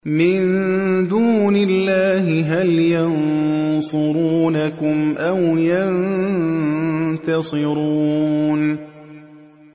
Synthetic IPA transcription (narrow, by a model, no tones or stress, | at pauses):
mɪnd̪uːnɪlːaːɦɪɦaljansʊɾuːnakʊmʔawjan | t̪ɑsˤɨɾuuːn